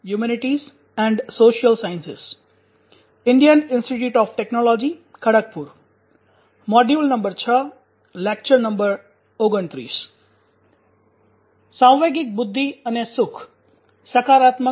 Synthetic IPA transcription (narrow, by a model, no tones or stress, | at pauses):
jumɛnɪʈiz | ɛ̃ɳɖsoːʃijəlsaːjnsɪ̰s | ɪɳɖijənɪnsʈiʈjuːʈɔːfʈeknɔlɔːd͡ʒikʰəɽək̚puɾ | mɔɖjuːlnɐ̃mbəɾt͡ʃʰə | lɛk̚t͡ʃəɾnə̃mbəɾ | oːɡənt̪ɾḭːs | sãw̃ʋeɡɪk̚bʊd̪ʱːiənesʊkʰ | səkʰaːɾaːt̪mə